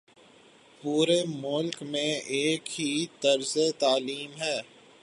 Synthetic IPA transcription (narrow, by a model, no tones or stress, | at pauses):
puːɾemʊlkmẽeːkɦit̪ɐɾzet̪aːliːmɦɛː